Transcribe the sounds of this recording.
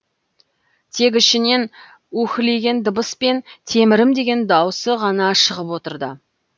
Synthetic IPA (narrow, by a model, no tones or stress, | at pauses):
t̪ʰe̞k̬ʲɪʃɪne̞n | wɵkʲɪle̞ɡʲe̞nd̪əbəspe̞nt̪ʰe̞mɪɾɪmd̪e̞ɡʲe̞nd̪ɑwəsəʁɑnɑʃəʁəpwo̞t̪əɾd̪ə